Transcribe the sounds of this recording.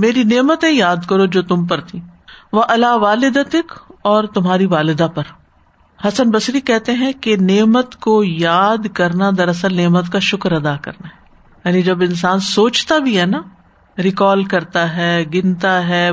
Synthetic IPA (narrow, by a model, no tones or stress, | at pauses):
meːɾineːmət̪ẽjaːd̪kɐɾod͡ʒoːt̪ʊmp̬ɐɾt̪ʰiːʋoʔɐlaːʋaːlɪd̪ət̪ɪkɔːɾt̪ʊmɦaːɾiʋaːlɪd̪apɐɾ | hɐsənbɐsɾikɛɦt̪eɦɛ̃keneːmət̪kojaːd̪kɐɾnad̪ɐɾɐsəlneːmət̪kaʃʊkɾɐd̪aːkɐ̰ɾnaɦɛ | jaːnid͡ʒɐbɪ̃ns̬aːnsoːt͡ʃt̪abʱiɦɛːna | ɾɪkɔːlkɐɾt̪aɦɛːɡɪnt̪aɦɛː